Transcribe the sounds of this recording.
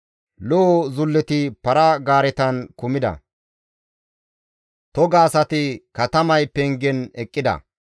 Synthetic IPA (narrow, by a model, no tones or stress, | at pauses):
lɔzʊlːɛt̪ɪpɐɾɐɡaːɾɛt̪ɐnkʊmɪd̪ɐ̰ | t̪ɔɡaːsɐt̪ɪkɐt̪ɐmɐjpɛŋɡɛnɛkʼːɪd̪ɐ̰